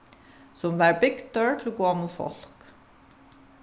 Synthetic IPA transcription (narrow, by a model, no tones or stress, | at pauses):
sɔmʋæːɹbɪɡd̪øːɹʈʰɪl̩oːɡoːɑmut̪fɔ̰lk